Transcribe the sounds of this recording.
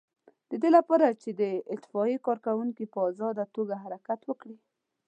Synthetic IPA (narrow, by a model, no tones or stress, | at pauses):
d̪̥əd̪elapɑɾat͡ʃed̪əɪt̪ɪ̥fɑikɑɾkawuŋkipəɑzɑd̪at̪oɡaɦaɾakat̪wəkɽi